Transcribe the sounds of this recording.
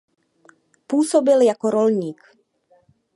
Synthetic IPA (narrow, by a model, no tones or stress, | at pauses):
puːsobɪljakoɾo̞lɲiːk